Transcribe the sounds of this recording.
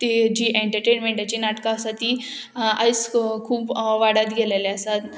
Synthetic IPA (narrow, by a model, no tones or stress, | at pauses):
t̪ed͡ʑiːʔeɳʈəɾʈenmẽɳʈat͡ɕinaʈkãəsat̪iəjskʰuːpʋaɽat̪ɡʱeleleəsat̪